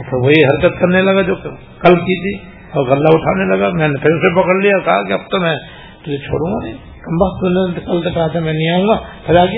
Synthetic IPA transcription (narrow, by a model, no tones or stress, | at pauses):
p̪ʰɪɾʋoɦiɦɐɾkət̪kɐɾnelɐɡad͡ʒoː | kɐlkit̪ʰi | ɔːɾɣɐlːaʊʈʰa̰ːnelɐɡamɛ̃ːnepʰeɾsepɐkəɽlijakɐɦakiɐbt̪omɛ̃ː | t̪ʊd͡ʒʱet͡ʃʰo̰ːɽũːŋɡanɐĩ | kɐmbat̪unekɐlt̪okɐɦat̪ʰamɛ̃ːnɐĩaːɦũŋɡaːp̪ʰɐɾaːɡi